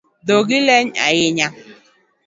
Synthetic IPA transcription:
doɡɪlɛɲa̰jɪɲa

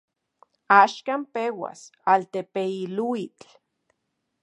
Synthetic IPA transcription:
aʃkampewa̰salt̪epeiluit͡ɬ

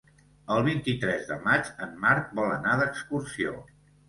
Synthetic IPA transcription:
əlˠβint̪it̪ɾɛzðə̰mad͡ʒəmːaɾk̪̚bɔlənaðəkskursio̰

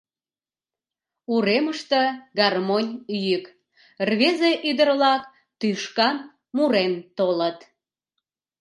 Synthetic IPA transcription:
uɾeməʃt̪əɡɑrmonʲyjyk | rβezeʔyd̪ərlɑk | t̪yʃkɑn | muɾent̪olət̪

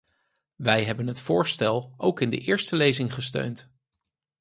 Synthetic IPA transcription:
ʋɛjɦɛbənɦətfʊːɹstɛlˠowkɪndə̰ʔɪːɹstəlejzɪŋχəstø̰ɥnt

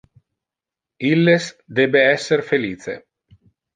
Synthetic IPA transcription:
ilːesd̪ebeɛsːeɾfeliːsḛ

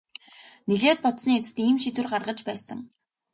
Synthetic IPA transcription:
niɮeːt̪̚pɔt̪sniːet͡sɘ̥̆t̪iːmʃit̪ɘ̆rɢarʁə̆t͡ɕpæːsə̰̆ŋ

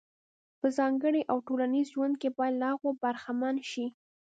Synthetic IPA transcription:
pəzɑŋɡəɽiʔawʈolanizʒwand̪̚kepɑjad̪lahaɣobaɾxamanʃi

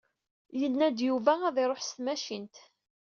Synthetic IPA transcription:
jənːæd̪juvææðɪɾˤoħst̪mæʃint̪

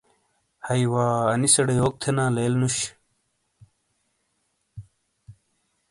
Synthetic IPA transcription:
hɐiwaːɐnisɐɽejoːk̚t̪ʰenãːleːlnuɕ

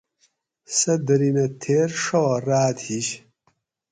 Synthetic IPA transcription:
sɐd̪ɐɾinɐt̪ʰeːɾʂowraːd̪hiɕ

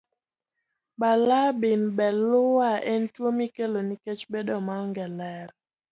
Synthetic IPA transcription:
balabinbɛlʊaɛntwomikeloniket͡ʃbɛdɔmaŋɡɛlɛɾ

